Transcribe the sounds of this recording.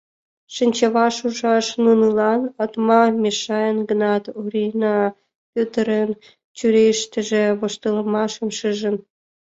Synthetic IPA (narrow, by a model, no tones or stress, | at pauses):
ʃɨnʲt͡ɕəβɑʃuʒɑʃnunəlɑnɑt̪mɑmʲeʃɑjənɡənɑt̪uɾʲinɑ | pʲut̪əɾen | t͡ɕyɾeʃt̪ə̆ʒĕβoʃt̪ələ̆mɑʃəmʃɨʒə̆n